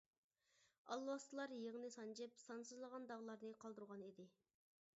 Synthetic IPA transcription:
ɑlˠwɑst̪ɨlˠɑɾjeʁnɨsɑnd͡ʒɪpsɑnsɨzlˠəʁɑnd̪ɑʁlˠɑɾnɨqʰɑlˠd̪uɾʁɑnid̪ɪ

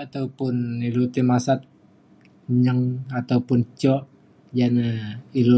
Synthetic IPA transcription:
at̪awpʊnilut̪imasat̪̚ | ɲəŋat̪awpʊnt͡ʃɔʔ | d͡ʒanəilu

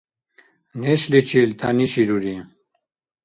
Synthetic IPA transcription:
neɕlit͡ɕʰilt̪ʰa̰niɕiɾuɾi

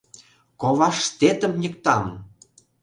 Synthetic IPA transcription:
koβɑʃt̪et̪ə̆mnʲə̆kt̪ɑm

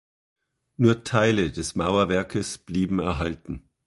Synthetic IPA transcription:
nuːɐtʰaɪlədɛsmaʊɐvɛɐkʰəsb̥liːbm̩ɛɐɦaltn̩

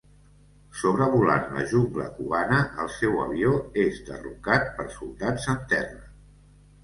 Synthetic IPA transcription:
soβɾəβula̰nlə̰ʒuŋɡlə̰kuβanəʔəlˠsɛwə̰βioezd̪ə̰rukat̪̚pəɾsulˠd̪adzənt̪ɛrə

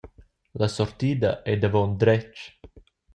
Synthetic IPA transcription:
lasɔrt̪iːd̪aʔɛd̪avɔnd̪ɾɛt͡ʃː

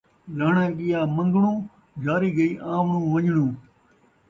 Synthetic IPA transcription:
laːɳãːɠɪjaːmə̃ŋɡɳũː | d͡ʒʱaːɾiːɡəiːʔãːʋɳũːʋəɲɳũː

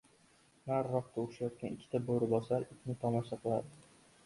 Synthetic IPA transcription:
naɾːɒqt̪ʰaʊʃajɒt̪̚kʲanɪkʲʰːɪt̪ʰaboɾɪbɒsaɾɪkʲʰnɪt̪ʰɒmɒsaqʰɨlˠad̪ɪ

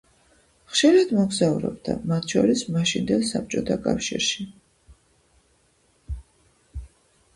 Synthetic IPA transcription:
χʃiɾad̪̥mɔɡzauɾɛ̰bd̪a̰mat̪ʰʃɔ̰ɾismaʃind̪ɛlˠsap̚t͡ʃʼɔt̪ʰakʼafʃḭɾʃi

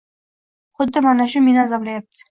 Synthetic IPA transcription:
χʊd̪ːɪmanaʃʊmenazablajap̚t̪ʰɪ̥

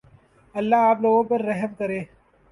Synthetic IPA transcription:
ɐlːaːaːploːɡõːpɐɾːɛɦəmkɐɾeː

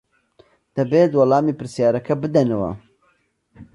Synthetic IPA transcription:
d̪̥ɐbeːt̪wɐlɑːmipɨɾsijaːɾɐkʰɐbɨd̪ɐnɐwɐ̰

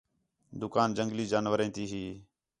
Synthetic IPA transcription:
d̪ʊkaːnd͡ʒəŋɡliːd͡ʒaːnʋəɾẽːt̪iːɦiː

